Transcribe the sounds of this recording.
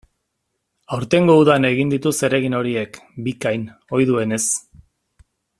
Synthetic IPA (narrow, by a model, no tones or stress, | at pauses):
awɾt̪e̞ŋɡo̞uðane̞ɣ̞ind̪it̪use̞ɾe̞ɣino̞ɾie̞kbikajno̞jðue̞ne̞s